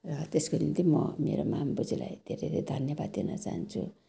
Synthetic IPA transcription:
rʌt̪eskod̪int̪imʌmḛɾomambud͡zila̰jd̪ʱeɾeɾed̪ʱʌnjʌbad̪d̪inʌ̰t͡saɦant͡sʰu

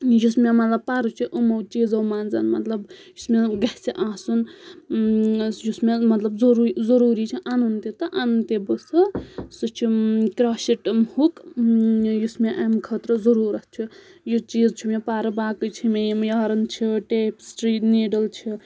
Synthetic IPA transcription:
jusmemɐt̪lɐb̚paːɾut͡ʃʰiʔəmɐwt͡ʃiːd͡zɐwmaːnd͡za̰ːnmɐ̰t̪lɐbjusmeɡɐsiʔãːsun | jusmemɐt̪lɐbzoɾuzəɾuːɾit͡ʃʰiʔanunt̪et̪ɐʔanunt̪ebəsɐsut͡ʃʰikɾaːsiʈmhuk | jusmeʔamkʰət̪ɾɐzɐɾuːɾɐt̪̚t͡ʃʰi | jut͡ʃiːd͡zt͡ʃʰumepaːɾɐbaːkət͡ʃʰimejimjaɦɾɐnt͡ʃʰiʈeːpsʈɾiːʈniːɖɐlt͡ʃʰi

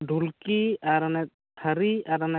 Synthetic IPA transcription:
ɖʱulkiaɾanɛ | tʰəɾiaɾanɛ

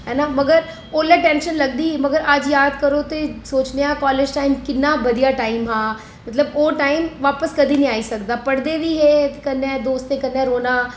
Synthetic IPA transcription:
ɦɛːnamɐɡəɾ | oːlɛ̃ʈɛ̃ːnʃənlɐɡd̪imɐɡəɾad͡ʒjaːd̪kɐɾot̪osoːt͡ʃnejakɔːleːd͡ʒʈaːɪmkɪnːabɐd̪ijaʈaːɪmɦãː | mɐt̪ləboːʈaːɪmʋaːpəskɐd̪ʱinĩaːisɐkd̪apɐɽd̪eʋiɦekɐnãd̪oːst̪ẽkɐnːjãɾoːna

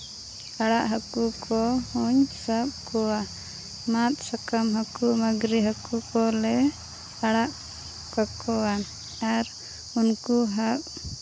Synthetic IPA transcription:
aɽaʔɦakukʰɔhuɲsab̚kɔwa | mat̪̚sakamɦakumaɡɾiɦakukɔlɛ | aɽaʔ | kakɔwa | aɾ | unkuɦap̚

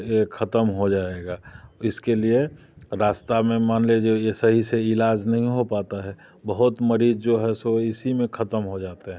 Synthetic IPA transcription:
jekʰət̪əmɦod͡ʒaːeɡaːɪskelie | ɾaːst̪amẽmaːnled͡ʒojesəɦiseɪlaːd͡ʒnɐɦĩɦopaːt̪aɦɛ | bəɦʊt̪məɾiːzd͡ʒoɦɛsoɪsimẽkʰət̪əmɦod͡ʒaːt̪eɦɛ̃

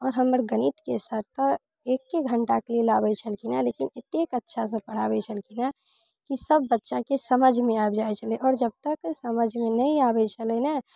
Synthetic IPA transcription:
ɔːɾɦəməɾɡənit̪kesəɾt̪a | eːkːeɡʱə̃ɳʈakelielaːbɛt͡ʃʰəlkinalekinɪt̪ekətːʃʰas̬ə̃pəɽ̤aːbɛt͡ʃʰəlkina | kisəbːətːʃakesəməd͡ʒʱmẽabd͡ʒaet͡ʃʰəleʔɔːɾd͡ʒəb̚t̪əksəməd͡ʒʱmẽnəĩabɛt͡ʃʰəlɛna

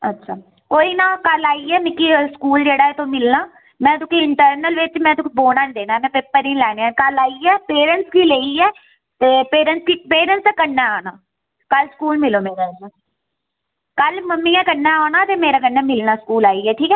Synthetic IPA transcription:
ətːʃʰaː | koːiːnaːkəlaːiɛːmɪkːiːskuːld͡ʒeːɽaːɛt̪omɪlnaː | mɛ̃ːt̪ʊkiːɪɳʈəɾnəlʋɪt͡ʃmɛ̃ːt̪ʊkiboːnaːnːd̪eːnaːɛːmɛ̃ːpɪpːəɾĩlɛːneãːkəlaːiːɛːpeːɾəɳʈskiːleːiːɛː | t̪eːpeːɾənskiːpeːɾənsɛːkəɾnɛːaːnaː | kəlskuːlmɪloːmeːɾaːsaː | kəlməmːiːãːkənaːaːnaːt̪eːmeːɾaːkənːɛːmɪlnaːskuːlaːiːɛːʈʰiːkɛː

